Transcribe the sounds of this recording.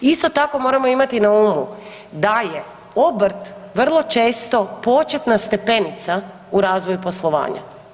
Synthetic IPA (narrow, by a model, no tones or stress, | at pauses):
ist̪o̞t̪ako̞mo̞ːɾamo̞imat̪inauːmu | d̪aje | obɾ̩t̪ʋr̩lˠo̞t͡ʃe̞ːst̪o̞po̞t͡ʃe̞t̪nast̪e̞pe̞nit̪sa | uɾaːzʋojupo̞slˠo̞ʋa̰ːɲa̰